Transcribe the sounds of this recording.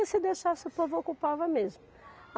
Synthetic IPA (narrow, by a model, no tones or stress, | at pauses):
ɪsɪd̪eʃasʊpovʊokupavɐmezmʊ